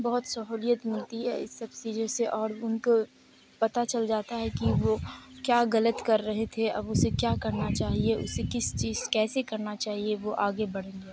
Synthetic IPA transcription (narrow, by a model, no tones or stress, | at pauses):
bɔɦʊt̪sɐɦuːlijət̪mɪlt̪iɦɛ̰ɪ̰sːɐbt͡ʃiːd͡ʒõseʔɔːɾʊnko | pɐt̪at͡ʃɐld͡ʒaːt̪aɦɛkiʋokjaːɣɐlət̪kɐɾːɐɦet̪ʰeɐ̰bʊsekjaːkɐɾnat͡ʃaːɦieʔʊ̰sekɪst͡ʃiːz̥kɛːsekɐɾnat͡ʃaːɦieʋoʔaːɡebɐɽ̤ẽːŋɡeː